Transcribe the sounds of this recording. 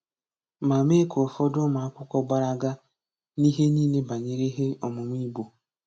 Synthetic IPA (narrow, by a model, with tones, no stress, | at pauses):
ma˨me˦ko˨ɔ˨fɔ˦dʊ˦ma˨a˦kʷʊ˦kɔ˦ɡ͡ba˦ɾa˦ɡa˦ | ni˦ɦe˦niː˦ne˦ba˨ɲe˨ɾe˦ɦe˦ɔ˨mʊ˨mʷ˦i˦bo˨